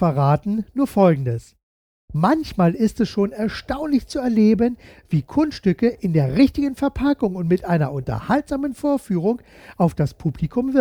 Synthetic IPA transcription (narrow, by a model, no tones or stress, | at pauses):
fɛɐʁaːtn̩nuːɐfɔlɡŋ̩dəs | mançmaːlɪstɛsʃoːnɛɐʃtaʊnlɪçt͡suɛɐleːbənviːkʰʊnsʃtʏkəʔɪndeːɐʁɪçtɪɡənfɛɐpʰakʊŋʊntmɪtʔaɪnɐ̰ʔʊntɐ̰haltz̥aːmənfoːɐfyːʁ̞ʊŋ | ʔaʊfd̥aspʰuːplikʰʊmvɪ